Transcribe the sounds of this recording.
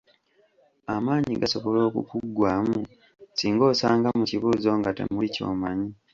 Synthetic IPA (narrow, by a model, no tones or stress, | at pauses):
amaːɲiɡasoβo̞lo̞ːkṵkuɡwaːmu | siːŋɡo̞ːsaːŋɡamuciβuːzo̞ŋɡate̞̰muico̞̰ːmaɲi